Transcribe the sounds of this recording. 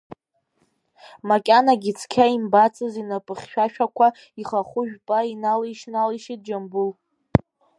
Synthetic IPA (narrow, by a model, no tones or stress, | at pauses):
makʲʼanaɡʲit͡sʰkʲʰaimbat͡sʰʼɨzinapʼɨχʲʃᶣaʃᶣakʷʰa | iχaχʷʊʒᶣpʼainaliʃnaliʃit̚d͡ʒambʊl